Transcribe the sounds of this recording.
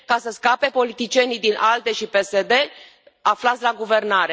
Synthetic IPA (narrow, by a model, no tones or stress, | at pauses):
kasəskape̞po̞lit̪it͡ʃie̞nid̪inʔald̪e̞ʃipe̞se̞d̪e̞ | aflat̪sʲlaɡuve̞rnaɾe